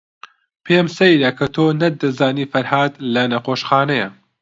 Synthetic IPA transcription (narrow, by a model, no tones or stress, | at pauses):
pʰeːmsɐjɾɐkʰɐt̪ʰoːnɐd̪ɐzaːniːfɐɾhaːd̪lɐnɐqoːʃxaːnɐjɐ